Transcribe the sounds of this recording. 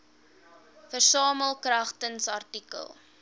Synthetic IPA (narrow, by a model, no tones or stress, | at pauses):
fərsɑːməlˠkrɐχtənsɐrtikə̰lˠ